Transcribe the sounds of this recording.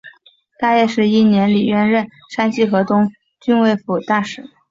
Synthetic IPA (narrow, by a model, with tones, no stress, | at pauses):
t̪a˥˧jɛ˥˧ʂɻ̩˥˧i˥˩njɛ˧˥nli˨˩ɥɛ˥˧nɻə˥˩n | ʂa˥nt͡ɕi˥˩xɤ˧˥t̪ʊ˥ŋ | t͡ɕy˥nwe˥˩ɪfu˨˩t̪a˥˩ʂɻ̩˨˩˦